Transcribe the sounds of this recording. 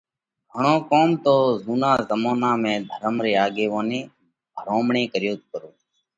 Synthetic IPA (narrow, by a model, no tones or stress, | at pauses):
ɡʱəɳoːkoːmt̪oːzuːnãːzəmoːnãːmẽːd̪ʱəɾəmɾeːaːɠeːʋoːnẽː | bʱəɾoːmɳẽːkəɾjoːt̪kəɾoː